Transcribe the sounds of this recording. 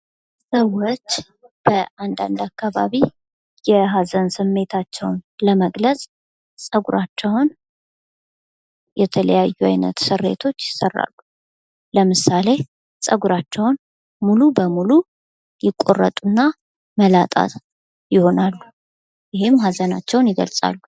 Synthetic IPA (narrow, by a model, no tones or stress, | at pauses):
səwːo̞t͡ʃː | b̥əand̪a̰nd̪akːaβa̰βi | jɛɦazənsɨmːe̞t̪ʰat͡ʃːɛwnləməɡləsʼ | sʼəɡuɾʔat͡ʃːɛwn | jɛt̪ʰələ̰jajːua̰jnə̰t̪sɨrːḛt̪ʰo̞t͡ʃːjɪsːərːa̰lːu | ləmɨsale̞ | sʼəɡuɾat͡ʃːɛwn | mulubəmulu | jɪkʼo̞̰rːə̰t̪ʼunːa | məlat̪ʼa̰t̪ | jɪho̞nalːu | jɪɦemːɦazəna̰t͡ʃːɛwnjɪɡə̰lsʼa̰lːu